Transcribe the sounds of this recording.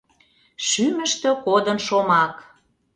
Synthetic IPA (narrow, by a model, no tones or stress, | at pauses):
ʃymə̆ʃt̪økod̪ənʃomɑk